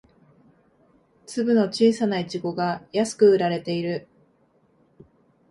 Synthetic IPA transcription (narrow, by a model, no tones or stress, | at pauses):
t͡sɨbɯ̟no̞t͡ɕiːsanait͡ɕiɡo̞ɡajasɨ̥kɯ̟ɯ̟ɾaɾe̞t̪e̞iɾɯ̟